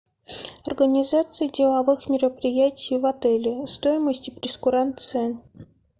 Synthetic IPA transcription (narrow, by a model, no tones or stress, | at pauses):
ɐrɡənʲɪzat̪sɨjədʲɪlˠɐvɨxmʲɪɾəpɾʲɪjætʲɪjvɐt̪ɛlʲɪst̪ojɪməsʲtʲɪpɾʲɪskʊɾant̪sɨə